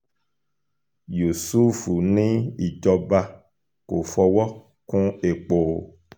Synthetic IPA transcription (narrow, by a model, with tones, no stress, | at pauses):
ju˨su˦fu˨nĩ˦i˨d͡ʒɔ˦ba˦ | ko˨fɔ˧wɔ˦ | kũ˦e˨k͡po˨